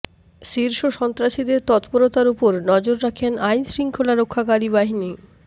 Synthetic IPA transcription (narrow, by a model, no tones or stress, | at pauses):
ʃiɾʃoʃɔnt̪ɾaʃid̪eɾt̪ɔt̪poɾot̪aɾupoɾnɔd͡ʑoɾːakʰenajnsɾiŋkʰolaɾokʰːakaɾibaɦini